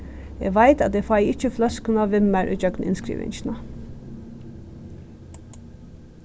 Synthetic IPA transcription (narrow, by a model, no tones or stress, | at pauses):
ḛːʋæɪt̪ɑt̪d̪eːfɑɪɪt͡ʃəflɑskənɑːʋɪmæɾʔʉ̰ːd͡ʒœɡnɪ̰nskɾḭːʋɪ̰nʃnə